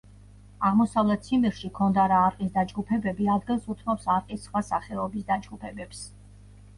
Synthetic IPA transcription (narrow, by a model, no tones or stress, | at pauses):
aʁmɔsavlɛt̪̚ʰsʰimiɾʃikʰɔnd̪aɾaːɾqʼisd̪ad͡ʒɡupʰɛbɛbiad̪ɡilˠsut̪ʰmɔpsaɾqʼisχwasaχɛɔbisd̪ad͡ʒɡupʰɛbɛps